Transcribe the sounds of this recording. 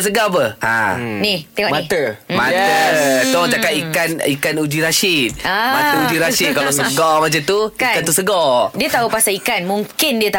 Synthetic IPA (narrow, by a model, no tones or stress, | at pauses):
səɡap̬əã̰nit̪ɛŋɔʔmait̪əmatət̪ot͡ʃakaʔ̪ikanikanud͡ʒiɾaʃit̪̚amat̪əud͡ʒiɾaʃit̪̚kalasəɡɔmat͡ʃant̪ukiant̪usəɡɔdiət̪aupasaikanmuŋkɪndiət̪a